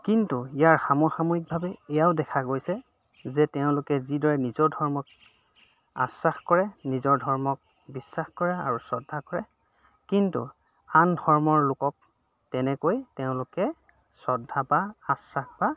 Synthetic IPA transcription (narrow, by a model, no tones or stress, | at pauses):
kintuijaɹxamɔxamoik̚bʱabɛɛjaʊdɛkʰaɡojsɛ | zɛtɛʊ̃lʊkɛzidɔɹɛnizɔɹdʱɔɹmɔk̚ | a̰saxkɔɹɛnizɔɹdʱɔɹmɔk̚ | bisːaxkɔɹɛa̰ɹusɔdʱːakɔɹɛ | kintṵ | andʱɔɹmɔɹlʊkɔk̚ | tɛnɛkojtɛʊ̃lʊkɛ | sɔdʱːabaːsaxba